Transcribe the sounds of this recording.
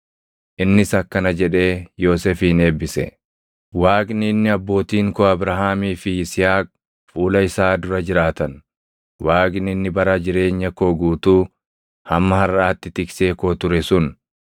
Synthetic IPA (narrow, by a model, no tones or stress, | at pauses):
ʔɪnːɪsɐkːɐnɐd͡ʒɛᶑe̞ːjo̞ːsɛfiːne̞ːbːɪsɛ̰ | waːkʼnɪːnːɪɐbːo̞ːt̪iːŋkoɐbɾɐɦaːmiːfɪɪsɪhaːk̚ | fuːlɐɪsaːd̪ʊɾɐd͡ʒɪɾaːt̪ɐn | waːkʼɪnɪɪnːɪbɐɾɐd͡ʒɪɾe̞ːɲːɐkoːɡuːt̪uː | hɐmːɐɦɐrːaːt̪ːɪt̪ɪkse̞ːkoːt̪ʊɾɛsʊn